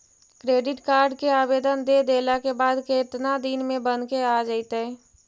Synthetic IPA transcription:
kɾeːɖɪʈkaːɾɖkeaːbeːd̪ənd̪ed̪eːlakebaːd̪keːt̪nad̪inmẽbənkead͡ʒaɪt̪ɛ

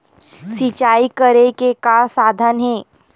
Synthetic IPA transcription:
sɪt͡ʃaːikəɾekekasaːd̪ʱənɦẽː

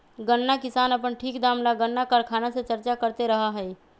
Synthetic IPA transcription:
ɡənːakɪsaːnəpənʈʰiːkd̪amlaɡənːakəɾkʰaːnasẽt͡ʃəɾt͡ʃakəɾt̪eɾəɦaɦəi

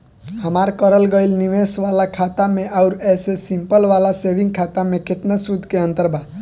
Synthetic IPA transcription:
ɦəmaːɾkəɾəlɡəilniʋeːsʋaːlakʰaːt̪amẽʔaʊɾɛːsesɪ̃mpəlʋaːlaseːʋɪ̃ŋɡkʰaːt̪amẽkɪt̪nasud̪ʱkeə̃nt̪əɾbʱa

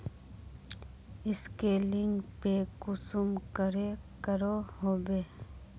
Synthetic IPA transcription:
ɪskelɪŋɡpekʊsumkəɾekəɾohoːbeː

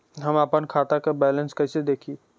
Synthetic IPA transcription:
ɦɐmapənkʰaːt̪akabɛːlə̃nskɐsed̪eːkʰi

